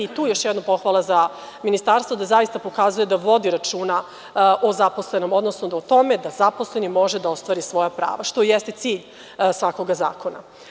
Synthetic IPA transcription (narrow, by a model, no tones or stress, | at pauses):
it̪uːjo̞ʃjɛd̪nopo̞xʋalˠaza | minist̪aɾst̪vo̞d̪azajist̪apo̞kazuje̞d̪aʋo̞d̪iɾat͡ʃuːna | ʔozapo̞sle̞no̞mo̞d̪no̞snoot̪o̞me̞d̪azapo̞sle̞nimo̞ʒed̪ao̞st̪ʋaːɾisʋo̞japɾa̰ːʋaʃt̪o̞jest̪et̪siːʎ | sʋako̞ɡaza̰ːko̞na̰